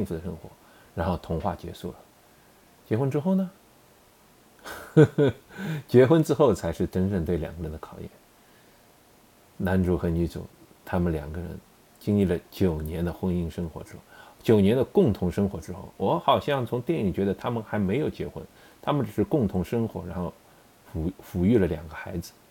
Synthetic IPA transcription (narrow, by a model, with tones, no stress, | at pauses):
ɕi˥˧ŋfu˧˩d̪ə˩ʂɤ˥ŋxwɔ̰˧˥ | ɻa˧˥nxo˥˩ʊt̪ʰʊ˧˥ŋxwa̰˥˩t͡ɕjɛ̰˧˥ʂṵ˥˩lə˩ | t͡ɕjɛ˧˥xwə˥nʈ͡ʂɻ̩˥xo˥˩ʊnə˩ | t͡ɕjɛ˧˥xwə˥nʈ͡ʂɻ̩˥xo˥˩ʊt͡sʰa˧˥ɪʂɻ̩˥˩ʈ͡ʂə˥nʈ͡ʂə˥˧ŋt̪we˥˩ɪljɑ̰˨˩ŋɡə˧˥ɻə˧˥nd̪ə˧kʰɑ˨˩ʊjɛ̰˥˩n | na˧˥nʈ͡ʂu˧˥xə˧˥nny˧˥t͡sṵ˨˩˦ | t̪ʰa˥mə˨nljɑ̰˨˩ŋɡə˦˧ɻə̰˧˥n | t͡ɕi˥ŋli˥˩lə˩t͡ɕjo˨˩ʊnjɛ˧˥nd̪ə˧xwə˥ni˥ŋʂɤ˥ŋxwɔ̰˧˥ʈ͡ʂɻ̩˥xo˥˩ʊt͡ɕjo˨˩ʊnjɛ˧˥nd̪ə˧kʊ˥˩ŋt̪ʰʊ˧˥ŋʂɤ˥ŋxwɔ˧˥ʈ͡ʂɻ̩˥xo̰˥˩ʊwɔ˧˥xɑ˨˩ʊɕjɑ˥˩ŋt͡sʰʊ˧˥ŋt̪jɛ˥˩ni˨˩t͡ɕɥɛ˧˥d̪ə˧t̪ʰa˥mə˨nxa˧˥ɪme˧˥ɪjo˨˩ʊt͡ɕjɛ̰˧˥xwə̰˥n | t̪ʰa˥mə˨nʈ͡ʂ̩˨˩ʂɻ̩˥˧kʊ˥˩ŋt̪ʰʊ˧˥ŋʂɤ˥ŋxwɔ˧˥ɻa˧˥nxo˥˩ʊ | ffu˧˥y˥˩lə˩ljɑ̰˨˩ŋɡə˦xa˧˥ɪd͡zɹ̩˧